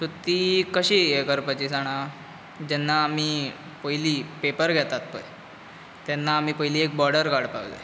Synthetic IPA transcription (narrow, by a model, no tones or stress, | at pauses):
sut̪ːiːkəɕiːjekəɾpat͡ɕiːsaɽ̃a | d͡ʑɛnːaːmiː | pəɦiliːpepəɾɡʱɛt̪at̪̚pə̰j | t̪ɛnːaːmiːpəɦiliːek̚bɔɾɖəɾkaɽpaʋlḛ